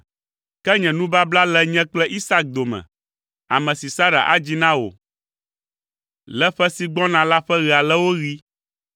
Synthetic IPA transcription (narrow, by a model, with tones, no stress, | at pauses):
kɛ˦ɲɛ̃˨nũ˦ba˦bla˦lɛ˦ɲɛ̃˦k͡plɛ˦ʔi˦sa˦k̚d̪o˨mɛ̰̃˨ | a̰˨mɛ̃˨si˨sa˦ɾa̰˨ʔa̰˦d͡ʑi˦nã˦wo̰˨ | lɛ˦ɸɛ˦si˨ɡ͡bɔ̃˦nã˨la˦ɸɛ˦ɣi˨a˨lɛ˦wo˦ɣi˦